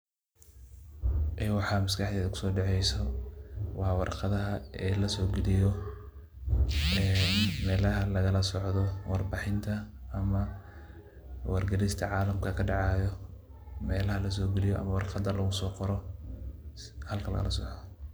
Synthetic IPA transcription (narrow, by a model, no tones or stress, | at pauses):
ʔɛwɑħɑːmɐskɑħd̪ɛːðɐkʰʊ̥sɔːɖɑʕɛjsɔ | wɑħwɑ̰rqɑðɐɦɐɛːlɐsɔːɡɛlɪjɔ | ɛmɛːlɐɦɐlɐɣɐlɐsɔʕðɔwɑrbɑːħɪnt̪ʰɐɐmɐ | wɑ̰rɡɐlɪst̪ʰɐʕɑːlɐmkʰɐkʰɐɖɑʕɑːjɔ | mɛːlɐhɐlɐs̬ɔːɡɛlɪjɔʔɐ̰mɐwɑrqɑd̪ɐlɐɣʊsɔːqɔɾɔ | hɐlkʰɐlɐ̰ɣɐ̰lɐsɔʕ